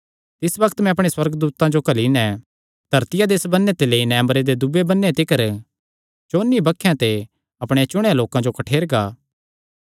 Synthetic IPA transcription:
t̪ɪsbɐkʰt̪mɛ̃ɐpɽ̃eswɐɾɡd̪uːt̪ãd͡ʒokɐlinɛ̃ | d̪̥ʱɐɾt̪ɪjad̪eːsbɐnːet̪eleːinɛ̃ɐməɾed̪ed̪ʊbebɐnːet̪ɪkəɾ | t͡ʃoːnːibɐkʰːjãt̪e | ɐpɽ̃et͡ʃʊɽ̃aloːkãd͡ʒokɐʈʰeːɾɡaː

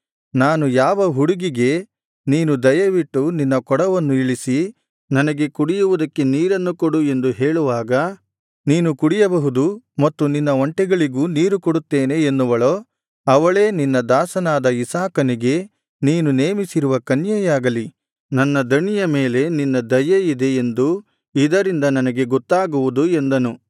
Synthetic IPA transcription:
naːnujaːʋɐɦuɽuɡiɡe̞ | niːnud̪ɐjɐʋiʈːuninːɐkɔɽɐʋɐnːuiɭisi | nɐnɐɡe̞kuɽijuʋud̪ɐkːe̞niːɾɐnːukoɽue̞nd̪uɦeːɭuʋaːɡɐ | niːnukuɽijɐbɐɦud̪umɐt̪ːuninːɐɔɳʈɛɡɐɭiɡuːniːɾukoɽut̪ːeːne̞ːnːuʋɐɭoː | ɐʋɐɭe̞ːninːɐd̪aːsɐnaːd̪ɐisaːkɐniɡe̞ | niːnuneːmisiɾuʋɐkɐnjɐjaːɡɐli | nɐnːɐd̪ɐɳijɐme̞ːle̞ninːɐd̪ɐjɐid̪e̞ːnd̪u | id̪ɐɾind̪ɐnɐnɐɡe̞ɡɔt̪ːaːɡuʋud̪ue̞nd̪ɐnu

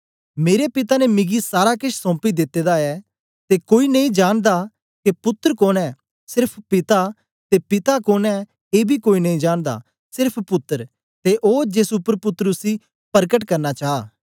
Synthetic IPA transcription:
meːɾepɪt̪anemɪɡisaːɾakɪʃʰsɔ̃ːpid̪ɪt̪ːeːd̪aɛː | t̪ekoːinɐĩd͡ʒaːñd̪a | kepʊt̪ːəɾkoːnɛː | sɪɾpʰpɪt̪a | t̪epɪt̪akoːnɛː | eːbʱikoːinɐĩd͡ʒaːñd̪a̰ | sɪɾpʰpʊt̪ːəɾ | t̪eʔoːd͡ʒesʊpːəɾpʊt̪ːɾʊsi | pɐɾk̬əʈkɐɾnat͡ʃaːaː

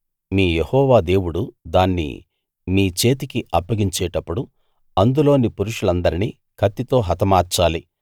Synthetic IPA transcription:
miːjehɔːʋaːd̪e̞ːwuɽud̪aːnːḭ | miːt͡ʃe̞ːt̪̬ikiʔɐpːɐɡiɲt͡ʃɛːʈɐpːuɽu | ɐnd̪ulo̞ːnipuɾuʂulɐnd̪ɐɾiniː | kʰɐt̪ːit̪o̞ːɦɐt̪ɐmaːɾt͡ʃaːli

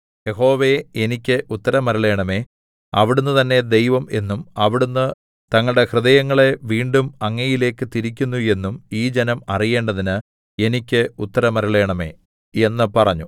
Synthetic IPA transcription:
je̞ɦo̞ːʋeenikʲːɨʔut̪ːɐɾɐmɐɾɐɭe̞ːɳɐme̞ː | ɐ̰ʋiɽunːɨt̪ɐnːe̞d̪e̞jʋɐme̞nːumɐʋiɽunːɨ | t̪ɐŋːɐɭɽe̞hrɨðɐjɐŋːɐɭeʋiːɳɖumɐŋːɐjile̞ːkːɨt̪iɾikʲːunːue̞nːumiːd͡ʑenɐmɐrije̞ːɳɖɐðinɨ | e̞nikʲːɨut̪ːɐɾɐmɐɾɐɭe̞ːɳɐme̞̰ː | e̞nːɨpɐrɐɲːu

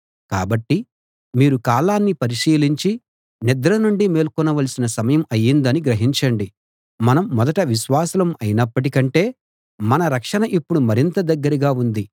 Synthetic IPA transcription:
kaːbɐʈːi | miːɾukaːlaːnːipɐɾiʃiːliɲt͡ʃi | nid̪ɐɾɐnuɳɖimeːlkɔnɐʋɐlsinɐsɐmɐjɐmɐjːind̪ɐniɡɾɐɦiɲt͡ʃɐɳɖi | mɐnɐmːɔd̪ɐʈɐʋiʃʋaːsɐlɐmɐjinɐpːɐʈ̬ikɐɳʈe̞ː | mɐnɐɾɐkʂɐnɐʔipːuɽumɐɾint̪ɐd̪ɐɡːɐɾiɡaːund̪i

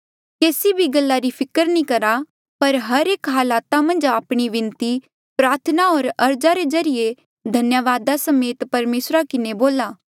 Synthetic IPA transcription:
keːsibʱiɡɐlːaɾipʰɪkəɾnĩkɐɾa | pɐɾɦɐɾeːkɦaːlaːt̪amɐ̃nd͡ʒaːpɽ̃iʋɪ̃nt̪i | pɾaːɾt̪ʰənaɔːɾɐɾd͡ʒaɾed͡ʒɐɾɪje | d̪ʱɐnjəʋaːd̪asɐmeːt̪pɐɾmeːsɾakɪneboːlaː

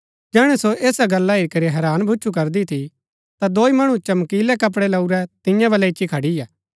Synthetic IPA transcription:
d͡ʒɛːɽ̃ɛsoʔeːsaɡɐlːaiɾikɐɾiɦɛːɾaːnbʱʊt͡ʃʰuk̬ɐɾd̪it̪ʰi | t̪ad̪oːimɐɽ̃ũt͡ʃɐmkiːlɛkɐp̬ɽɛlɐuɾɛt̪ɪ̃jãbɐlɛɪt͡ʃːikʰɐɽijaː

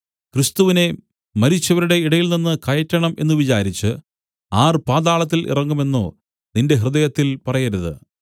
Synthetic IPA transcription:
krist̪uʋine̞ | mɐɾit͡ɕːɐʋɐɾuɽe̞iɽɐjilninːɨkɐjɐtʲːɐɳɐmʔe̞nːuʋit͡ɕaːɾit͡ɕːɨ | aːrpaːd̪aːɭɐt̪̬ːilʔḭrɐŋɡume̞nːo̰ː | ninde̞ɦrɨðɐjɐt̪ːilpɐrɐjɐɾuðɨ̰

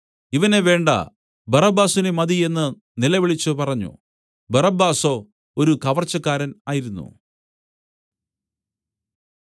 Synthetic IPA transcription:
iʋɐne̞ʋe̞ːɳɖɐ̰ | bɐrɐbaːsinemɐd̪ie̞nːɨ | nilɐʋiɭit͡ɕːɨpɐrɐɲːṵ | bɐrɐbːaːso̞ː | oɾukɐʋɐrt͡ɕːɐkːaːɾɐnaːjiɾunːṵ

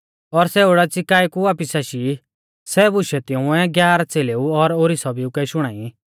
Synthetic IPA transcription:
ɔɾsɛoɽat͡sɪkaːikuaːpisaʃi | sɛbʊʃɛt̪ɪ̃ʊ̃ɛ̃ɡjaːɾat͡seːleːuɔɾoːɾisɔbiukɛʃʊɽ̃aːi

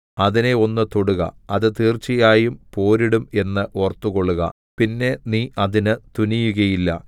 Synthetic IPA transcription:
ɐðine̞o̞nːɨt̪o̞ɽuɣɐ̰ɐðɨt̪iːrt͡ɕːijaːjumpo̞ːɾiɽume̞nːɨʔort̪ːuɣo̞ɭːuɣɐ̰ | pinːe̞niːʔɐðinɨt̪unijuɣɐjilːɐ̰

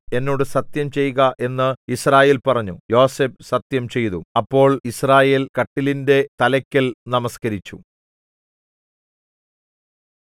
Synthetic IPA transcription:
e̞nːo̞ːɽɨsɐt̪jɐmt͡ɕe̞juɣɐʔe̞nːɨisraːje̞ːlpɐrɐɲːujo̞ːseːpsɐt̪jɐmt͡ɕe̞jt̪uɐpːo̞ːɭisraːje̞ːlkɐʈːilinde̞t̪ɐlɐkʲːɐlnɐmɐskɐɾit͡ɕːṵ

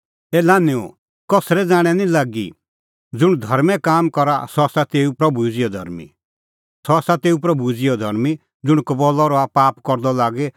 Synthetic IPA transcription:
ɛːlanɪɔ̰̃ | kɔsɾɛd͡zaːɽ̃ɛnĩlaːɡḭ | d͡zʊɽ̃d̪ʱɐɾmɛ̃kaːmkɔɾa̰sɔasat̪eːupɾɐbud͡ziɔd̪ʱɐ̰ɾmḭ | sɔasat̪eːup̬ɾɐbud͡zijɔd̪ʱɐɾmi | d͡zʊɽ̃kɔbɔlɔɾɔapaːpkɔɾd̪ɔlaːɡɛ

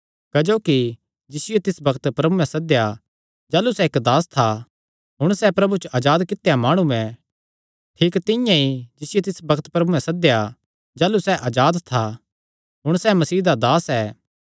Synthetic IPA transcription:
kɐd͡ʒoːki | d͡ʒɪsɪjot̪ɪsbɐkt̪pɾɐbumɛ̃sɐd̪eja | d͡ʒaːlusɛekd̪aːst̪ʰa | ɦʊɽ̃sɛpɾɐbut͡ʃʔaːd͡ʒaːd̪kɪt̪ːejamaːɽ̃uɛ̃ | ʈʰiːkt̪ɪ̃jãid͡ʒɪsɪjot̪ɪsbɐkt̪pɾɐbumɛ̃sɐd̪eja | d͡ʒaːlusɛʔaːd͡ʒaːd̪t̪ʰa | ɦʊɽ̃sɛmɐsiːd̪ad̪aːsɛː

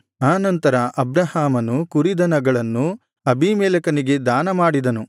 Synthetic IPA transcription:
aːnɐnt̪ɐɾɐʔɐbɾɐɦaːmɐnukuɾid̪ɐnɐɡɐɭɐnːu | ɐbʱimɛːlɐkɐniɡe̞d̪aːnɐmaːɽid̪ɐnu

